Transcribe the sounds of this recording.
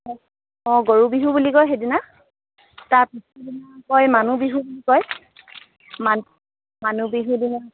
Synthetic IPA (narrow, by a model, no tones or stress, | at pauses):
ɔɡoɹubiɦubulikɔjxedina | taɹpisdinakɔjmanubiɦubulikɔj | ma | manubiɦudina